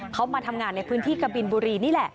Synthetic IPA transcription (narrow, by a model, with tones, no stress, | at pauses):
kʰa˦˥wmaː˧t̪ʰa˧mŋaː˧nːa˧jpʰɯː˦˥nt̪ʰiː˥˩ka˧bi˧nbuː˧ɾiː˧niː˥˩lɛ˨˩ʔ